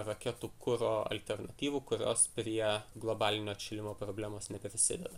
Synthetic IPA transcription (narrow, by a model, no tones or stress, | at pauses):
ɾɐkʲɛt̪uːkʊɾoːɐ̰lʲt̪ʲɛɾnɐt̪ʲiːʋuːkʊɾʲo̰ːspʲɾʲiɛɡlˠobɑːlʲɪnʲoːtt͡ʃʲɪlʲɪmoːpɾoːbʲlʲæːmoːsnʲɛpʲɾʲɪsʲɪ̰d̪ʲɛ̰d̪ɐ